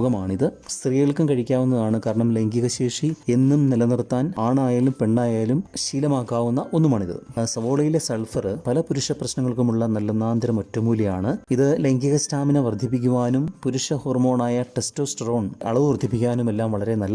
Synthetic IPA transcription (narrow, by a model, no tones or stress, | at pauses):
ɣɐmaːɳiðɨst̪rijiɭkɨmkɐɻikʲːaːʋunːɐðaːɳɨkaːɾɐɳɐmleŋɡiɣɐɕeːʂie̞nːumnilɐnirt̪ːaːnaːɳaːjaːlumpe̞ɳɖaːjaːlumɕiːlɐmaːkːaːʋunːɐʔo̞nːumaːɳiðɨ̰sɐʋo̞ːɭɐjile̞seɭfɐrɨpɐlɐpuɾuʂɐprɐɕnɐŋːɐɭkumuɭːɐnɐlːɐnːaːnd̪ɐɾɐmotːumuːlɐjaːɳɨiðɨleŋɡiɣɐstʰaːminɐʋɐrd̪ʱːip̬ːik̬ʲːuʋaːnumpuɾuʂɐho̞ːrmo̞ːɳaːjɐʈe̞stoːsʈro̞ːɳɐ̰ɭɐʋɨʋɐrd̪ʱːip̬ːikʲːaːnume̞lːaːmʋɐɭɐɾe̞nɐlːɐ